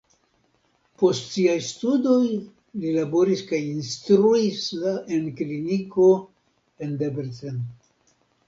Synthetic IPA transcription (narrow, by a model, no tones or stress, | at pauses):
po̞stsiajstudo̞j | lilabo̞ɾiskajinstɾuisaʔenkliniko̞ | e̞ndebeɾten